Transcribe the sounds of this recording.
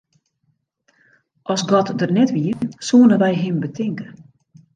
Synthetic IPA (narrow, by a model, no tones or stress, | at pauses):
ʔɔsɡɔtdərnɛtʋiəsuːənəʋɛjɦɪmbətʰɪŋkə